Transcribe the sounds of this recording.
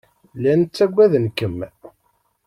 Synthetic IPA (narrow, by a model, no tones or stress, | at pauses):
lænt͡sːæɡʷːæðənkəm